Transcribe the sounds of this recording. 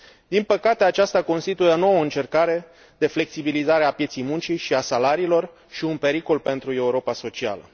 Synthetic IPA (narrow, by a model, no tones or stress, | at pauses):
d̪inpəkat̪eat͡ʃast̪ako̞nst̪it̪ujeono̞wəɨnt͡ʃe̞rkaɾe̞ | d̪e̞fle̞ksibilizaɾeapjesejmunt͡ʃiʃiasalaɾiːlo̞r | ʃiunpe̞ɾiko̞lpe̞nt̪ɾue̞uɾo̞paso̞t͡ʃia̰lə̰